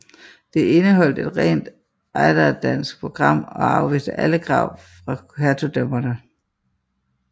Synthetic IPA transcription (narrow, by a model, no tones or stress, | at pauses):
d̥e̝e̝nəɦɒ̽l̰d̥e̝d̥ʁɛ̰ːnd̥ | ʔɑɪd̥ɐd̥æn̰sɡ̥̚pʰʁo̝ɡ̥ʁɑ̈m̰ɒ̽ɑ̈ʊʋḭːsd̥əʔæləɡ̥ʰʁɑ̰̈ʊ̰ | fʁɑ̈kʰæɐt͡sʰod̥ømɐnə